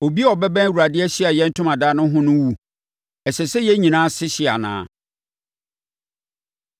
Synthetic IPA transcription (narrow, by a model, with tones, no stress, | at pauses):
o˨bi˦ɔ˨bɛ˦bɛ̃˦n˨wu˨ɾa˨dɪ˦ɛ˦ɕɪ˦a˨jɛ̃˦n̩˦tʰʊ˦mã˨daː˦nʊ̃˦ɦʊ̃˦nʊ̃˦wu˦ | ɛ˨sɛ˨sɛ˦jɛ˦ɲĩ˨nãː˦sɪ˦ɕɪ˨a̰˨nã̰ː˨˦